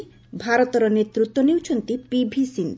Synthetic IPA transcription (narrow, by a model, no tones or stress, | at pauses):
bʱaɾɔt̪ɔɾɔnet̪ɾut̪ːwonewt͡ʃʰont̪ipibʱisind̪